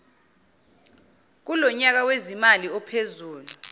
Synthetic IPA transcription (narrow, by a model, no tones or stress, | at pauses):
k̬ulɔɲak̬awezimaliɔpʰezuːlu